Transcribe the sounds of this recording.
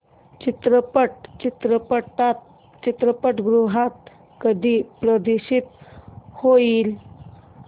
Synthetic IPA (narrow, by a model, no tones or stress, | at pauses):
t͡ɕit̪ɾəpəʈt͡ɕit̪ɾəpəʈat̪̚ | t͡ɕit̪ɾəpəʈɡɾuɦat̪̚ | kəd̪ʱipɾəd̪iɕit̪hoil